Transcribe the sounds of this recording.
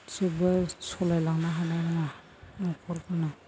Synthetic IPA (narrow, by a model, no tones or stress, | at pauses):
sebajsɔlajlaŋnaɦanajɾaŋa | nɔkʰɔɾkʰana